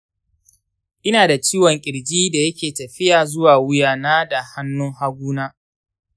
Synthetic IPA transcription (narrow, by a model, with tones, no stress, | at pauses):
ʔɪ˦naː˨da˨t͡ʃiː˦wɔ˨ŋkʲʼɪ˨ɽd͡ʒiː˦da˨jɐ˦kʲeː˨tɐ˨ɸɪ˦jaː˨zʊ˦waː˨wʊ˦jaː˨naː˦da˨ha˦nːʊ˦ŋha˦ɡʷuː˦naː˦